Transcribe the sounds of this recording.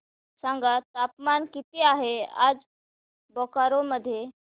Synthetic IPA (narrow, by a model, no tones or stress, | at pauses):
saŋɡat̪apmankit̪iaɦea̰d͡z | bɔkaɾoməd̪ʱːje